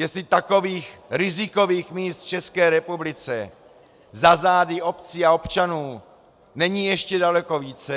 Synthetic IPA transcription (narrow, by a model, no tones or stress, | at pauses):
jɛst̪lɪt̪ako̞viːxɾɪzɪko̞viːxmiːst̪ft͡ʃɛskɛːɾɛpublɪt͡sɛ | zazaːdɪo̞pt͡siːao̞pt͡ʃanuː | nɛɲiːjɛʃcɛdalɛko̞viːt͡sɛ